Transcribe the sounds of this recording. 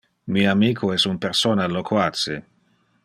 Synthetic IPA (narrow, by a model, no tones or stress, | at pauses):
miamiːkʰoɛsumpeɾsoːnalːokʰwat͡se